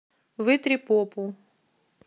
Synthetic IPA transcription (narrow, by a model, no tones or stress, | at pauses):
vɨt̪ɾʲipopʊ